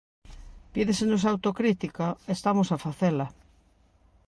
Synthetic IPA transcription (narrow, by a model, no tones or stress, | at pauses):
piðesenos̬awt̪okɾit̪ikaest̪amosafaθelɐ